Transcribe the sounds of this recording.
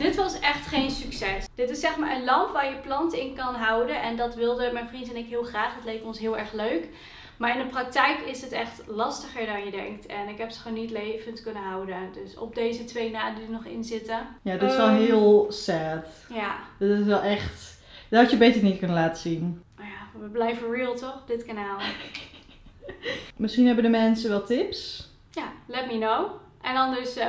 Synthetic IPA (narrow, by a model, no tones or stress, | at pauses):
d̥ɪtʋɑsɛxtχejnsyksɛsd̥ɪtɪsːɛxmaːɹənlɑmpʋaːɹjəplɑntɪnkɑnɦawdənɛndɑtʋɪlˠdəmɛjnfrintɛnɪkɦɪəlˠχraːχdɔtlejp̚tɔnsɦɪəlˠɛɹxløɥk | maːɹɪndəprɑk̚tɛjkɪsətɛχtlɑstəχəɹdɑnjədɛ̰ŋktɛnɪkɦɛpsə̥χoːnːitlejvəntkønəɦawdədøsɔ̰p̚deːzətʋejnaːdidənɔχɪ̰nzɪtəjaɪssʋɛlˠənɦɪəlˠsɛːtjadtɪsʋɛlˠɛxt | dtɑtjəbetərnitkɵnəlaːtəsin | ojaʋəblɛjvəriːlˠtɔxdɪtkanaːlˠ | mɪsχinɦɛbəndəmɛnsəʋɛlˠtɪps | jalɛt̚minow | ʔɛndɔndøs